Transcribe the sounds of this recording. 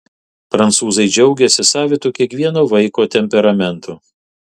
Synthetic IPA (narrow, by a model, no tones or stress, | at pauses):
pɾɐnt̪suːzɐɪd͡ʒʲɛʊɡʲɛsʲɪsɑːʋʲɪt̪ʊkʲiɛkʋʲiɛnoːʋɐɪkoːt̪ʲɛmʲpʲɛɾɐmʲɛnˑt̪u